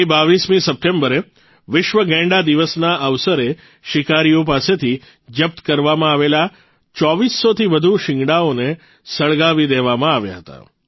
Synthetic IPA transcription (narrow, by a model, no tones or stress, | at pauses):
ibaʋismĩsəp̚ʈembəɾe | ʋɪʃʋəɡɛ̃ɳɖad̪iʋəsnaəʋsəɾe | ʃɪkaɾijopaset̪ʰi | d͡ʒəp̚t̪kəɾʋamãaʋela | t͡ʃɔʋisːot̪ʰiʋəd̪ʱuʃɪŋɡɽaone | səɭɡaʋid̪eʋamãaʋja̰ɦət̪a̰